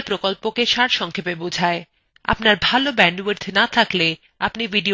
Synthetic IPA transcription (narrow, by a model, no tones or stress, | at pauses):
pɾokolpokeʃaɾʃɔŋkʰepebod͡ʑʱae | a̰pnaɾbʱalobɛɳɖweɾt̪ʰenat̪ʰakle | apnibiɖio